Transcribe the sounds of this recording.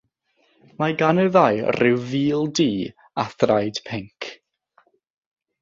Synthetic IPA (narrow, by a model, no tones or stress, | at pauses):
maɡanɨðajrɪwviːlˠdiː | aθrajd̥pʰɪŋkʰ